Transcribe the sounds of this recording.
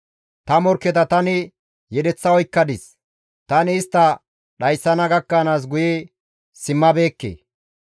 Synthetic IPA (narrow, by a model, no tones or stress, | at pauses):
t̪ɐmɔɾkːɛt̪ɐt̪ɐnɪ | jɛd̪ɛt͡sːɐɔjkːɐd̪ɪs | t̪ɐnɪːst̪ːɐ | ɗɐjsːɐnɐɡɐkːɐnaːs̬ɡʊjɛ | sɪmːɐbe̞ːkːḛː